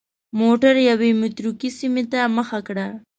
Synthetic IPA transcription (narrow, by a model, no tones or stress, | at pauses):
moʈaɾjawemʊt̪ɾukisimet̪aməxakɽa